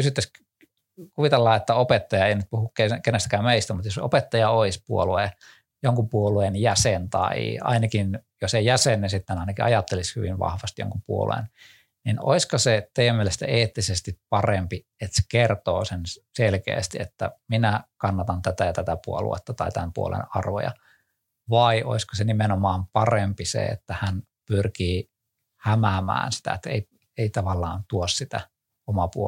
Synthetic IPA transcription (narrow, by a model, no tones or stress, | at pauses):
kysyt̪ːæs | kuʋit̪elːɑːet̪ːæopet̪ːɑjɑeinyt̪̚puhukkekenest̪ækæːmeist̪æmut̪joso̰pet̪ːɑjɑoispuolue | joŋkupuoluenjæsent̪ɑ̰ḭɑ̰inɑkinjosejjæsenːisit̪ːenɑinɑkiɑ̰jɑt̪ːelishyʋiʋʋɑ̰hʋɑst̪jo̰ŋkupuo̰lṵḛn | nino̰iskɑset̪eijæmielest̪æ̰eːt̪ːisest̪ippɑrempi | et̪se̥kert̪o̰ːsenselkḛːst̪iet̪ːæ̰minækɑnːɑt̪ɑnt̪æt̪æjɑt̪æt̪æpuolṵḛt̪ːɑt̪ɑit̪æmpṵo̰lḛnɑrʋo̰jɑ̰ | ʋɑiʔoiskosenimenomɑːmpɑrempisḛḛt̪ːæhæn | pyrkiː | hæmæmæ̰ːnsi̥t̪æ̰et̪ːæḛi | eit̪ɑʋɑlːɑ̰ːnt̪uossit̪æ̰ | omɑpuo